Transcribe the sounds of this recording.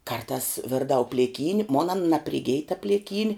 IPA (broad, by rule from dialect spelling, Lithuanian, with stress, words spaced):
kɐrˈtɑːs ˈʋʲɪrdɐʊ pʲlʲeːˈkʲiːnʲ moːn ɐn nɐpʲrʲɪˈɡʲɪj tɐ pʲlʲɪˈkʲiːnʲɪ